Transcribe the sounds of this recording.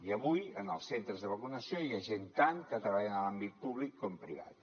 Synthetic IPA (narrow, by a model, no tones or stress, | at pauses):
iəβujənəlˠsent̪ɾəzðəβəkunəsijoiaʒent̪aŋkət̪ɾəβaʎənəlambit̪̚puβlikʰːɔmpɾḭβa̰t̪